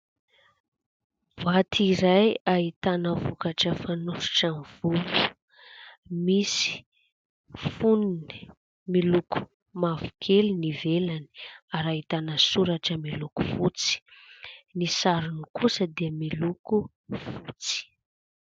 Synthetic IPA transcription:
vat̪ʰiɾajaɦit̪anəvukaʈ͡ʂəfanufi̥ʈ͡ʂamv̥uku̥ | misi̥ | funini | miluku̥ | mavu̥kʰelinivelani̥aɾaɦit̪anəsuɾaʈ͡ʂəmiluku̥fut͡si̥ | nisaɾunikusəd̪iəmiluku | fut͡si̥

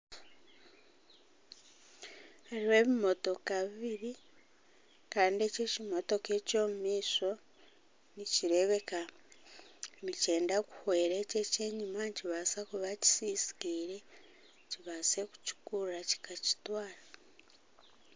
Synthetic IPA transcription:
haɾiwe̞ːβimo̞to̞kaβiβiɾi | kaːndie̞cecimo̞to̞ke̞ːco̞ːmumiːso̞ | niciɾe̞βe̞ka | mice̞ːndaku̥hweːɾeːce̞ce̞ːɲumaciβasakuβaci̥siːsi̥kiːɾe̞ | ciβase̞ku̥cu̥kuraci̥kaci̥twaːɾa

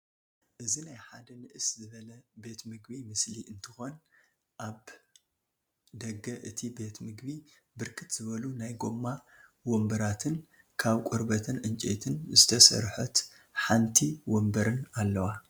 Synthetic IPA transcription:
ʔɨzinajħad̪ɐnɨʔɨszɨβɐlɐbe̞t̪mɨɡbimɨsliʔɨnt̪ʰɨxon | ʔaβ | d̪ɐɡːɐʔɨt̪ʰibe̞t̪mɨɡbi | bɨɾkʰɨt̪z̥ɨβɐlunajɡo̞mːa | wombɐɾat̪ʰɨn | kʰaβkʼʊɾbɐt̪ʰɨnʔɨnt͡ʃʼḛt̪ʰɨnzɨt̪ʰɐsɐ̰ɾħɐt̪ | ħant̪ʰiwombɐɾɨnalːɐwa

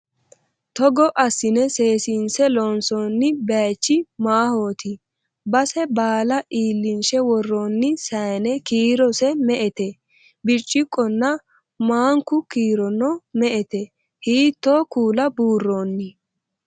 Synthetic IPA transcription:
t̪ɔɡɔʔɐsːɪnɛse̞ːsiːnsɛloːnsoːnːɪbaːt͡ʃːɪmaːhoːt̪ɪ | bɐsɛbaːlɐʔiːlːɪnʃɛwɔrːoːnːɪsɐjnɛkiːɾɔsɛmɛʔɛt̪ɛ | bɪt͡ʃʼːɪkʼːɔnːɐ | maːŋkʊkiːɾɔnɔmɛʔɛt̪ɛ | hiːt̪ːoːkuːlɐbuːrːoːnːɪ

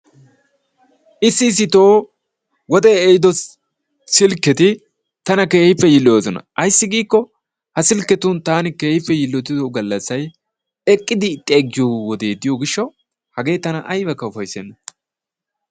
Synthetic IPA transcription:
ʔɪsːɪːs̬ːɪt̪o̞ː | wɔd̪ɛːjɪd̪ɔ | sɪlkːɛt̪ɪ | t̪ɐnɐkeːhɪpːɛjɪlːɪjoːsɔnɐ̰ʔɐjsːɪɡiːkːɔ | hɐsɪlkːɛt̪unt̪aːnɪke̞ːhɪpːɛjɪlːɔt̪ːɪd̪ɔɡɐlːɐsːɐj | ɛkʼːɪd̪ɪt̪ʼːeːɡːɪjowɔd̪e̞ːd̪ɪjoɡɪʃːɐ | hɐɡe̞ːt̪ːɐnɐʔɐjbɐkːɐʊfɐjsɛnːɐ

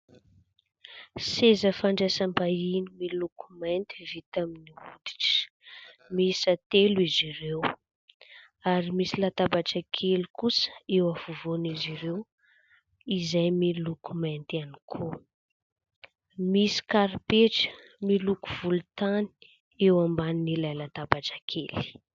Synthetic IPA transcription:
sezəfaɳɖ͡ʐesambainimilukumant̪ivit̪aminiud̪i̥ʈ͡ʂə̥ | misat̪elizirew | aɾimisilat̪abaʈ͡ʂakʰelukusə̥ewavuvoniziɾew | izajmilukumant̪anikʰo | misi̥kaɾipeʈ͡ʂə̥ | milukuvulut̪ani̥ | ewambaninilajlat̪abaʈ͡ʂakʰeli̥

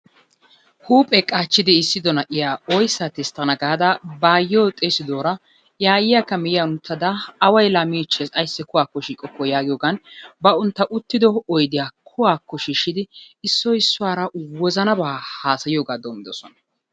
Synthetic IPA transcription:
huːpʼɛkʼaːt͡ʃːɪd̪ɪɪsːɪd̪ɔnɐʔɪjaːɔjsːat̪ɪst̪ːɐnɐɡaːd̪ɐbaːjːɔːt̪ʼeːsɪd̪o̞ːɾɐ | jaːjɪjakːɐmɪjjaʊnt̪ʰːɐd̪ɐːwɐjlamiːt͡ʃːɛsɐjsːɛkʊwaːkːɔʃiːkʼːɔkːɔjaːɡɪjoːɡanbɐʊnt̪ːɐʔʊt̪ːɪd̪ɔɔjd̪ɪjakʰʊwaːkːɔʃiːʃːɪd̪ɪɪsːɔɪsːʊwaːɾɐwɔzɐnɐbaːhaːsɐjɪjoːɡaːd̪oːmːɪd̪ɔsɔnɐ̥

